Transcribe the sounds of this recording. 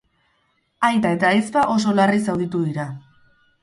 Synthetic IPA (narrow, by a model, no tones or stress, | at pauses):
ajt̪ae̞t̪aispaʔo̞so̞larisawðit̪uðiɾa